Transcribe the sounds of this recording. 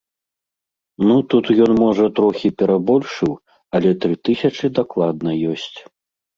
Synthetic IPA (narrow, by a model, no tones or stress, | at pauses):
nut̪ut̪jɔnmɔʐɐt̪ɾɔxʲipʲɛɾabɔlʲʂɨw | ɐlʲɛt̪ɾɨt̪ɨsʲɐt͡ʂɨd̪aklˠad̪̚nɐjɔsʲt͡sʲ